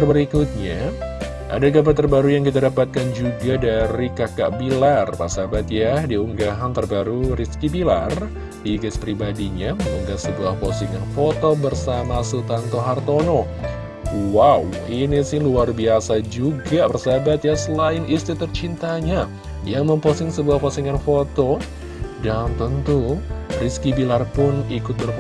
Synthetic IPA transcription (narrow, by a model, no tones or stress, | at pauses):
rbəɾikut̪̚ɲa | ʔa̰daɡabat̪ərbaɾujaŋkit̪adapat̪̚kand͡ʒuɡadaɾikaka̰ʔbilarpa̰sabat̪jadiuŋɡaɦant̪ərbaɾuriskipila̰r | diɡaspɾibadiɲaməṵŋɡasəbuahpo̰sɪt̪̚ŋanfot̪obərsamasut̪ant̪oɦart̪ono | wawinisɪhluarbiasad͡ʒuɡapərsabat̪jasəlaɪnist̪it̪ərt͡ʃint̪aɲa | jaŋməmposɪŋsəbuahpasiŋanfot̪o | dant̪ənt̪uriskibilarpʊnikʊt̪̚bərf